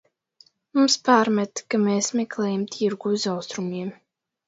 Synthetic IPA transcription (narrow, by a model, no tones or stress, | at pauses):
mumspaːɾmɛt̪kameːsmʲɛklˠɛːjamt̪ʰiɾɡuzawst̪ɾumiɛm